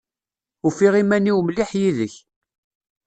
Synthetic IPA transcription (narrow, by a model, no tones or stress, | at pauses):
ufiʁimæniwmliħjiðəç